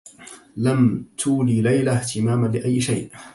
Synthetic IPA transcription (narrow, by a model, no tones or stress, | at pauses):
lamt̪ʰuːliːlajlaht̪ʰɪmaːmalɪʔajːɪʃajʔ